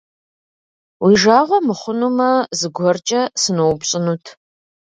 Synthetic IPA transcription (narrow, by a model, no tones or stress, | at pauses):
wiʒaːʁʷɔmɨχʷʊnumɐzɨɡʷɔrt͡ʃʼɐsɨnowbɕʼɪnutʰ